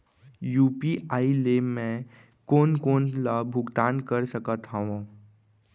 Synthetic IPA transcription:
juːpiaːilemẽ | koːnkoːnlabʱʊɡt̪aːnkəɾsəkət̪ɦaʋãː

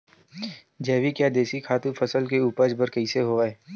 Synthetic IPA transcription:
d͡ʒɛːʋikjaːd̪eːsikʰaːt̪ũfʰəsəlkeuːpəd͡ʒbəɾkəɪseɦoːʋaɛː

